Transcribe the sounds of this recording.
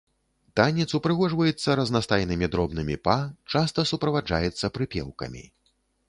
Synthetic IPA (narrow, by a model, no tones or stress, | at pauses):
t̪anʲit̪supɾɨɣɔʐvɐjɛt̪sːɐɾɐznast̪ajnɨmʲid̪ɾɔbnɨmʲipat͡ʂast̪ɐsupɾɐvad͡ʐa̰jɛt̪sːɐpɾɨpʲɛ̰wkɐ̰mʲḭ